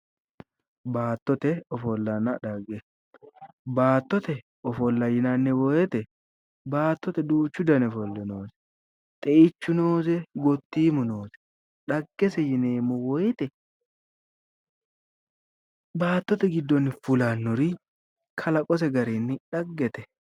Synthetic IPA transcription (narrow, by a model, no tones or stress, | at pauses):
baːt̪ːɔt̪ɛɔfɔlːɐnɐᶑɐɡɛ | baːt̪ːɔt̪ɛ | ɔfɔlːɐjɪnɐnːɪwɔjɛt̪ɛ | baːt̪ːɔt̪ɛd̪uːt͡ʃːʊd̪ɐnɛfɔlːɛnoːsɛ̥ | t̪ʼɛʔɪt͡ʃːʊnoːsɛɡɔt̪ːiːmʊnoːsɛ̥ | ᶑɐɡːɛsɛjɪneːmʊwɔjɪt̪ɛ | baːt̪ːɔt̪ɛɡɪd̪ːɔnːɪfʊlanːʊɾi | kʰɐlɐkʼɔs̬ɛɡɐɾinːɪᶑɐɡːɛt̪ɛ